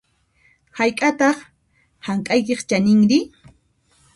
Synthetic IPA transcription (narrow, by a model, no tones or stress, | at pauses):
hajkʼat̪ɑχ | haŋkʼajkeχt͡ʃanɪŋɾɪ